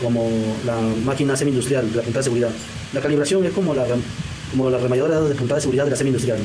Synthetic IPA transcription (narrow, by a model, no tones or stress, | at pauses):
komolamakinasemẽnd̪ust̪ɾjald̪elapunt̪aðeseɣuɾiða | lakaliβ̞ɾasjo̞ŋeskomolare | komolaremajaðoɾaððepunt̪aðese̞ɣuɾiðaðelasemẽind̪ust̪ɾjal